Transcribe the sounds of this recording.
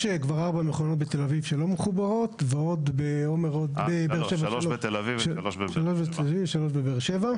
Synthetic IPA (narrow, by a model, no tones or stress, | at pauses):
ʃekvaʁaʁbameχonot̪̚bet̪elavivʃelo̞meχubaʁo̞t̪veo̞d̪beomeʁod̪bebeʃevalot̪elvivʃʃaloʃbet̪elavivʃalo̞ʃbebeʁʃeva